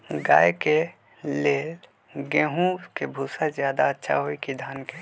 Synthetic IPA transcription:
ɡa̰ːjke | leːl | ɡẽːɦũkebʱuːsazjaːd̪aətːʃʰa̰ɦoikid̪ʱaːnke

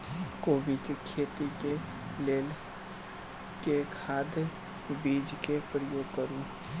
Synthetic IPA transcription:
koːbikekʰeːt̪ike | leːl | kekʰaːd̪ | biːd͡ʒkepɾəjoːɡ̚kəɾũ

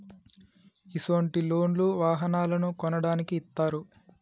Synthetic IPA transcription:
isɐɳʈilo̞ːɳluʋaːɦɐnaːlɐnukɔnɐɽaːnikiːt̪ːaːɾu

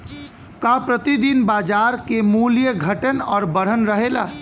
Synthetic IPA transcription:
kapɾət̪id̪inbaːd͡ʒaːɾkemuljəɡʱəʈənɔːɾbəɽ̤ənɾəɦela̰ː

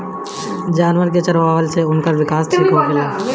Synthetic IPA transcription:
d͡ʒaːnʋəɾk̬et͡ʃɐɾʋaːʋəlseʊnkaʋɪkaːsʈʰiːkɦoaɦəaː

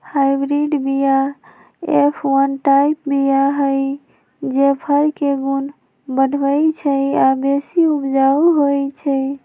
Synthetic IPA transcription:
haɪbɾiɖbija | epʰwənʈajpbijaɦəj | d͡ʒepʰəɾkeɡun | bən̤bəjt͡ʃʰəabesiubd͡ʒauɦojt͡ʃʰə

